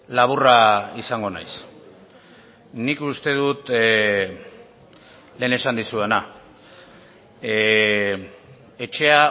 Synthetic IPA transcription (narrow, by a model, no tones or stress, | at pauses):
laβ̞uraisaŋɡo̞na̰js | nikust̪e̞ðut̪ | le̞ːne̞sand̪isue̞na | e̞t͡ʃe̞a